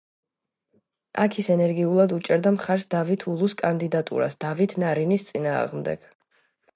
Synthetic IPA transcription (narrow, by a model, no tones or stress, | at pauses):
ʔa̰kʰisɛnɛɾɡiulˠad̪ut͡ʃʼɛɾd̪amχaɾsd̪avit̪ʰulˠuskʼand̪id̪at̪ʼṵɾa̰sd̪̥avit̪ʰnaɾinist̪sʼina̰ːʁmd̪ɛ̰ɡ̥